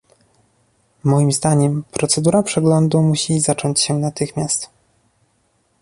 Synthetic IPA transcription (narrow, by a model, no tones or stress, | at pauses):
mɔjimzd̪aɲɛmpɾɔt̪sɛd̪uɾapʂɛɡlɔnd̪umuɕizat͡ʂɔɲt͡ɕɕɛnat̪ɘxmʲjast̪